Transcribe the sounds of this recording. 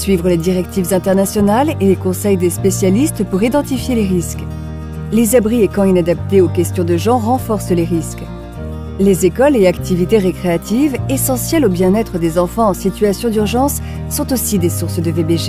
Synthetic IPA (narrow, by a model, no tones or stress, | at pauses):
sɥivʁəled̪iʁɛk̚t̪ivzɛ̃t̪ɛʁnasjɔnalelekɔ̃sɛjd̪espesjalist̪puʁid̪ɑ̃t̪ifjeleʁisk | lezabʁiekɑ̃inad̪ap̚t̪eokʲɛst̪jɔ̃d̪əʒɑ̃ʁɑ̃fɔʁsleʁisk | lezekɔleakt̪ivit̪eʁekχeat̪ʰivesɑ̃sjɛlobjɛ̃nɛt̪χəd̪ezɑ̃fɑ̃ɑ̃sit̪ɥasjɔ̃d̪yʁʒɑ̃sː | ɔ̃t̪osid̪esuʁsəd̪əvebeʒe